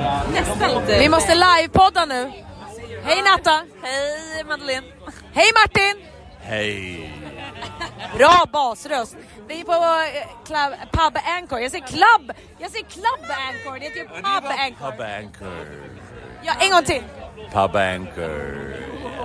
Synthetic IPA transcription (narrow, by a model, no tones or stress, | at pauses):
nɛst̪avɪmɔst̪əlajvpʰɔd̪ːanʉ̟ː | hɛjnat̪ːahɛjmad̪alin | hɛjmaʈːɪn | hɛj | bɾɑːbɑːsɾœst̪ | vɪpɔkʰlabpʰabæŋkɔɾjɑːɡs̬eːkʰlabː | jɑːɡseːkʰlabæŋkɔɖɛheːt̪əjəpabɛŋbaŋkʰə̰ | jɑʔɛŋːɡɔŋt̪ʰɪnpʰa̰bæ̰ŋkʰə̰